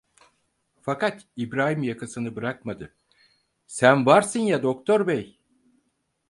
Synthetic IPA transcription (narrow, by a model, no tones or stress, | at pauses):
fakat̪ibɾaːɦɯmjakʰasɯnɯbɯɾakmad̪ɯ | sænvaɾsɯnjad̪o̞kt̪ʰo̞ɾbej